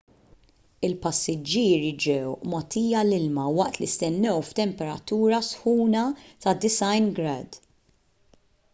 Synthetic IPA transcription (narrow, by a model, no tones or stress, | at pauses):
ɪlpɐsːɪd͡ʒːiːɾid͡ʒɛwmɐt̪iːjɐlɪlmɐwɐʔt̪list̪ɛnːɛwft̪ɛmpɛɾɐt̪uːɾɐsħuːnɐt̪ɐd̪ɪsɐjnɡɾɐd̪